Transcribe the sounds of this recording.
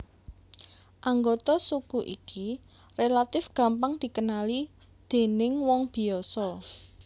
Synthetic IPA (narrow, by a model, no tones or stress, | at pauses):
ʔaŋɡot̪ɔsukuʔḭki | relat̪ɪfɡ̥ä̤mpaŋd̪̥i̤kənali | d̪̥e̤nɪŋwɔŋb̥i̤ɔsɔ